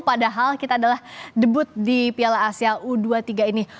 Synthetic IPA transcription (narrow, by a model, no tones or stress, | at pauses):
padaɦalkit̪aːdalahdəbʊt̪̚dipialaːsiaʔuduat̪iɡaini